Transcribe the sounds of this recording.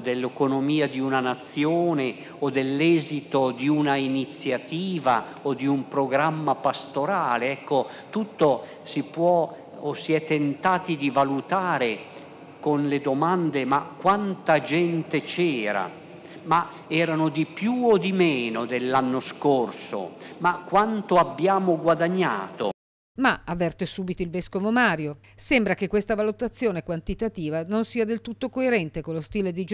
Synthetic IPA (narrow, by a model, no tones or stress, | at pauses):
d̪elːekonomiːad̪iunanat̪sːjoːne | od̪elːɛːzit̪od̪iunainit̪sːjat̪iːva̰ | od̪iumpɾoɡɾamːapast̪oɾaːleɛkːo | t̪ut̪ːo | sipwɔː | siɛt̪ːent̪aːt̪id̪ivalut̪aːɾe | konled̪omand̪emakːwant̪ad͡ʒɛnt̪et͡ʃɛːɾa̰ | ma | ɛːɾanod̪ipjuod̪imɛːnod̪elːanːoskorso̰makːwant̪oabːjaːmoɡwad̪aɲːa̰ːt̪o̰ | maavːɛrt̪esuːbit̪oilvɛskovomaːɾjo | sɛmbɾakekwest̪avalut̪at̪sːjoːnekwant̪it̪at̪iːvanonsiːad̪elt̪ut̪ːokoeɾɛnt̪ekolːost̪iːled̪id͡ʒ